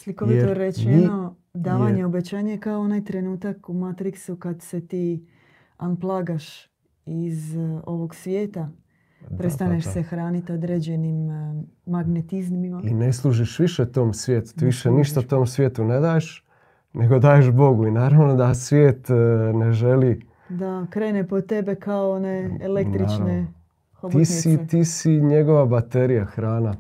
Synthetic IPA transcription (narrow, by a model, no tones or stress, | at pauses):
slikoit̪oɾet͡ɕeno | d̪aːʋaɲeobet͡ɕaːɲejekaoonaːjt̪ɾe̞nuːt̪akumat̪ɾiksukad̪se̞t̪iː | anplˠaːɡaʃ | izo̞ʋo̞ɡsʋje̞ːt̪a | pɾest̪aneʃse̞xɾaːnit̪o̞d̪ɾed͡ʑe̞nimː | aɡnet̪izmimaine̞slˠuʒiʃʋiʃet̪o̞ːmsʋjeːt̪u̥t̪iːʋiʃeniʃt̪aut̪oːmsʋjeːt̪une̞d̪aːjeʃ | ne̞ɡo̞d̪aːjeʃbo̞ɡuinaːɾaʋno̞d̪asʋʲjeːt̪ne̞ʒe̞li | d̪akɾeːnepo̞t̪e̞be̞kaooneːlekt̪ɾit͡ʃne | xobt̪isit̪isiɲeɡo̞ʋabat̪eɾijaxɾaːna